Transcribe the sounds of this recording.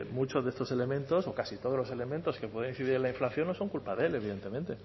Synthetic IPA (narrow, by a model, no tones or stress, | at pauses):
mut͡ʃo̞zðest̪o̞se̞le̞mẽnt̪o̞so̞kasit̪o̞ð̞o̞zlo̞se̞le̞mẽnt̪o̞skepweð̞enĩθiðiɾelaiɱflaθjo̞nːoso̞ŋkulpaðe̞le̞βiðe̞nt̪e̞mẽnt̪e̞